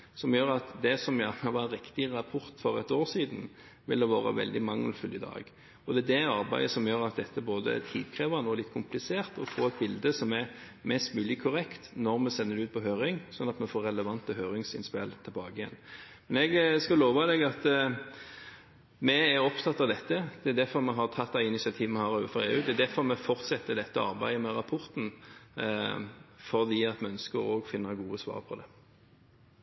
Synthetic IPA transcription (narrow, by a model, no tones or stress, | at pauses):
sɔmjøːɾɑt̪d̪ɛsɔmjɑt̪mɑʋɑnɾɪkt̪ɪɾɑpʰɔɾt̪fɔɾɛ̰t̪oːʁsiːd̪n̩ | ʋɪ̰ld̪ɛʋɑːɾə̰ʋɛ̰ld̪ɪmɑŋːəlfʉlɪd̪ɑ̰ːɡ | ɔd̪ɛːd̪ɛɑɾbæɪəsɔmjøːɾɑt̪̚d̪ɛt̪ːəboːd̪əɛ̰t̪tʰḭːd̪kʰʁeːʋɑnəɔlɪt̪ːkʰʊmplɪseːʁt̪ɔfoːɛt̪̚bɪld̪əsɔmɛɾ | mɛst̪mʉːlɪkʰʊʁɛkt̪nɔɾmɛsɛnːəɾd̪ʉːt̪̚pʰɔɦøːɾɪŋsɔnːɑt̪mɛfoːɾɛləʋɑnt̪əɦøːɾɪŋsɪ̰nspɛlt̪ʰɪlbɑːɡəɪjɛ̰nːmɛnɛɡskɑloːʋɑd̪ɛɡɑt̪ | mɛæɾɔpt̪ʰɑt̪ːɑʋd̪ɛt̪ːəd̪̥ɛːd̪æɾfɔɾmɛɦɑt̪ʰɑt̪̚ːd̪æɪɪnɪsɪɑt̪ʰiːʋənmɛhɑɾoːʋəfɔʁḛːʉːd̪ɛɛd̪æɾfɔɾmɛfɔʁt̪sɛt̪ːəd̪ɛt̪ːəɑ̰ɾbæɪəmɛɾɑpʰɔɾt̪n̩ | fɔʁd̪iːɑt̪mɛœnskəɾo̰ːɡfɪnːəɾɡuːəsʋɑ̰ːʁpʰɔd̪ɛ